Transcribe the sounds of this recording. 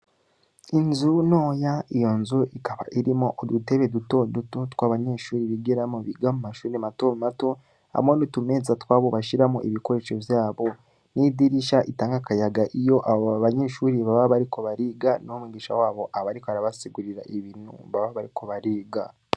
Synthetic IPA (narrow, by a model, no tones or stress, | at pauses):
inzunoːjaijo̞nzuikaβa̰ʔiɾimoʔodute̞βe̞duto̞dutotwaːβaɲe̞ːʃuːɾiβiɡeɾamoβiɡamumaʃuːɾimato̞mmato | a̰monotume̞zatwaːβo̞βaʃiɾamoʔiβiko̞ɾe̞ːʃo̞vjaːβo | nidiɾiʃaʔitaːŋɡakajaɡaʔijo̞ʔaaβaɲe̞ʃuːɾiβaβaβaɾiko̞βaɾiːɡanomiɡiːʃa̰waːβo̞ʔaβaɾikaɾaβasiɡuɾiɾaʔiβiːnhṵβaβaβaɾiko̞βaɾiːɡa